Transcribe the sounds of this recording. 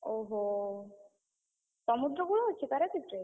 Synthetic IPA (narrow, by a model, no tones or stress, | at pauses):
oɦo | t͡ʃɔmud̪ɾoɡuɭoɦotːɕʰek̪aɾekiʈɾe